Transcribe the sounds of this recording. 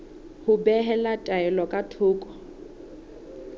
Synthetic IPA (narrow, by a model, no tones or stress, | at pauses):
hʊbɛɦɛlatʼaɛlɔkʼatʰʊːkʼɔ̥